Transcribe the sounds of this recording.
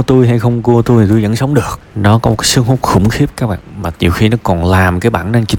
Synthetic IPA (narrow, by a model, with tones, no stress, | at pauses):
t̪u˧jɦa˧jxə˧wŋ͡mku˧ət̪u˧jt̪ʰi˨t̪u˧jzə̰˧˥nsə˨˦wŋ͡mɗɨ˨˩ək̚nɔ˨˦kɔ˨˦˨kaː˨˦sɨ˧əŋhu˦˥k͡p̚xʊ̰˧˩ŋ͡mxi˦˥p̚kaː˦˥k̚ɓa̰ː˧˨nmaː˨˩ɲi˨˩əwxi˧nɔ˨˦kɔ˨˩nlaː˨˩mkaː˨˦jɓaː˧˩nnə˧nt͡ɕi˨˦